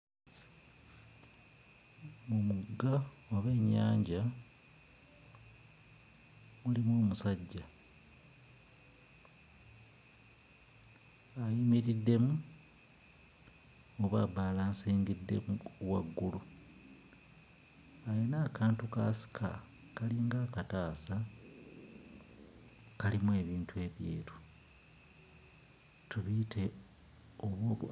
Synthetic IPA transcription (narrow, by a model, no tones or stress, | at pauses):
mumuɡa | oβeːɲːa̰ːɲɟa | mulimoːmusaɟːa | ajimiɾidːe̞mu | oβabaːlaːnsiːŋɡidːe̞̰muwaɡːulu | ajenaːkʰaːntuka̰ːsi̥kʰa̰ | kaliːŋɡaːkataːsa | kalimue̞ːβiːntʰue̞ːβjḛːɾu̥ | tuβitʰe̞ | oβwo